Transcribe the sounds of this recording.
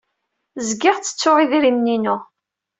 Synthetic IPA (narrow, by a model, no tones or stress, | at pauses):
zɡɪʁt͡sːə̥t͡sːʊʁiðɾimninʊ